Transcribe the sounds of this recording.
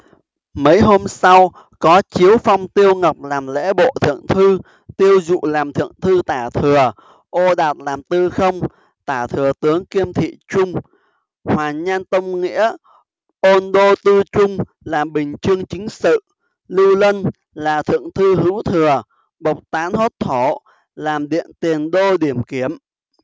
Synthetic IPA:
mə˨˦jɦo˧msa˧w | kɔ˨˦t͡ɕi˨˦əwfa˧wŋ͡mt̪i˧əwŋə˨˩wp̚laː˨˩mlḛ˧˥ɓo̰˧˨t̪ʰɨ̰˧˨əŋt̪ʰɨ˧ | t̪i˧əwzṵ˧˨laː˨˩mt̪ʰɨ̰˧˨əŋt̪ʰɨ˧t̪aː˧˩t̪ʰɨ˨˩ə | ʔo˧ɗaː˨˩t̚laː˨˩mt̪ɨ˧xə˧wŋ͡m | t̪aː˧˩t̪ʰɨ˨˩ət̪ɨ˨˦əŋki˧əmt̪ʰḭ˧˨t͡ɕʊ˧ŋ͡m | hwaː˨˩ɲaː˧nt̪ə˧wŋ͡mŋḭ˧˥ə | ʔo˧nɗo˧t̪ɨ˧t͡ɕʊ˧ŋ͡m | laː˨˩mɓï˨˩ŋ̟t͡ɕɨ˧əŋt͡ɕï˨˦ŋ̟sɨ̰˧˨ | li˧wlə˧n | laː˨˩t̪ʰɨ̰˧˨əŋt̪ʰɨ˧ɦɨ˧˥wt̪ʰɨ˨˩ə | ɓə˨˩wk͡p̚t̪aː˨˦nho˦˥t̚t̪ʰo˧˩ | laː˨˩mɗḭ˧˨ənt̪i˨˩ənɗo˧ɗi˧˩əmki˧˩əm

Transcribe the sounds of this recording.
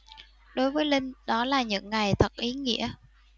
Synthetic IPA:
ɗo˨˦jvəː˨˦jlï˧ŋ̟ɗɔ˨˦laː˨˩ɲɨ̰˧˥ŋːa˨˩jt̪ʰə˨˩t̚ʔi˨˦ŋḭ˧˥ə

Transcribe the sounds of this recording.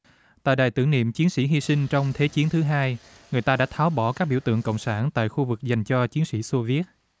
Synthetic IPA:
t̪a̰ː˧˨jɗaː˨˩jt̪ɨ˧˩ənḭ˧˨əmt͡ɕi˨˦ənsḭ˧˥ɦi˧sï˧ŋ̟t͡ɕɔ˧wŋ͡mt̪ʰe˨˦t͡ɕi˨˦ənt̪ʰɨ˨˦ɦaː˧j | ŋɨ˨˩əjt̪aː˧ɗa̰ː˧˥t̪ʰaː˨˦wɓɔ˧˩kaː˦˥k̚ɓḭ˧˩əwt̪ɨ̰˧˨əŋkə̰˧˨wŋ͡msaː˧˩nt̪a̰ː˧˨jxu˧vɨ˨˩k̚za˨˩jŋ̟t͡ɕɔ˧t͡ɕi˨˦ənsḭ˧˥su˧vi˦˥ət̚

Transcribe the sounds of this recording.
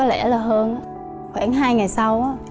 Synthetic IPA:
ɔ˨˦lɛ˧˩laː˨˩ɦəː˧nʔaː˨˦ | xwɛː˧˩nɦaː˧jŋa˨˩jsa˧wʔaː˨˦˥

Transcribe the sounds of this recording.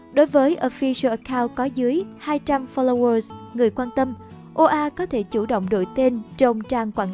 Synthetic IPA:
ɗo˨˦jvəː˨˦jʔo˧˩fi˧sə˧ʔə˨˩kaː˧wt̚kɔ˨˦zɨ˨˦əjhaː˧jt͡ɕa˧mfɔ˧lo˧wəː˧sŋɨ˨˩əjkwaː˧nt̪ə˧m | ʔo˧ʔaː˧kɔ˨˦t̪ʰe˧˩t͡ɕu˧˩ɗo̰˧˨wŋ͡mɗo̰˧˨jt̪e˧nt͡ɕə˧wŋ͡mt͡ɕaː˧ŋkwaː˧˩n

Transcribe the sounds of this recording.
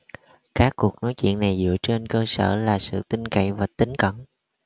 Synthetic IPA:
kaː˦˥kːu˨˩ək̚no˨˦jt͡ɕwḭ˧˨ənːa˨˩jzɨ̰˧˨ət͡ɕe˧nkəː˧sə̰ː˧˩laː˨˩sɨ̰˧˨t̪ï˧ŋka̰˧˨jvaː˨˩t̪ï˨˦ŋ̟kə˧˩n

